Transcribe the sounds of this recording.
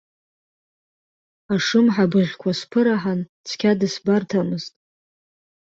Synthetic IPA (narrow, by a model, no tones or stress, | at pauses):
aʂɨmħabɨʁʲkʷʰaspʰɨɾaħant͡sʰkʲʰadɨsbartʰamɨztʼ